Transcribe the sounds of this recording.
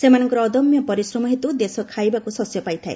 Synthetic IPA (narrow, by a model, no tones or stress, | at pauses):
semanɔŋkɔɾɔːd̪ɔmjɔpɔɾisɾɔmɔɦit̪ud̪esɔkʰajbakusɔsjɔpajt̪ʰae